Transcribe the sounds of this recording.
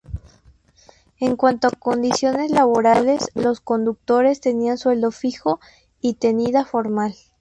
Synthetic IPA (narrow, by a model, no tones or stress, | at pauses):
e̞ŋkwant̪oako̞nd̪isjo̞ne̞zlaβo̞ɾale̞slo̞sko̞nd̪uk̚t̪o̞ɾe̞st̪e̞nianswe̞ld̪o̞fixo̞ | it̪e̞niðafo̞ɾmal